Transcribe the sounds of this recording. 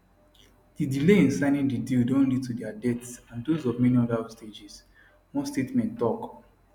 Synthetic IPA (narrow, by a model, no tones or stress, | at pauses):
d̥idileĩnsãɪnĩndidildɔ̃nlid̚tudɛadɛtsãndozɔvmɛniɔdasted͡ʒis | wõstetmɛ̃nttːɔk